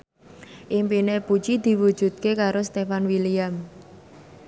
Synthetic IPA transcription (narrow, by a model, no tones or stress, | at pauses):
ʔimpinepu̥t͡ʃid̪̥i̤wud̥ʒ̥ṳt̪̚kekaɾost̪efanwiliam